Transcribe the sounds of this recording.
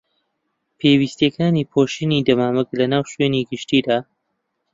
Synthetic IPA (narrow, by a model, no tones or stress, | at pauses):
pʰeːwist̪ekaːniːpʰoːʃinid̪ɐmaːmɨklɐnaːwʃweːniɡɨʃt̪iːd̪aː